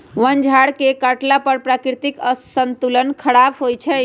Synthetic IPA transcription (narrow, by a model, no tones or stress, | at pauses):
ʋənd͡ʒʱaɽkekəʈlapəɾpɾakɾt̪ikəsənt̪ulənkʰəɾɽapʰɦojt͡ʃʰɛ